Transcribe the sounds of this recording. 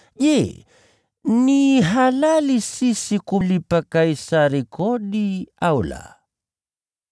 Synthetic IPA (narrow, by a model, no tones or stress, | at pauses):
je | niɦalalisisikulipakajsaɾikʰodiawla̰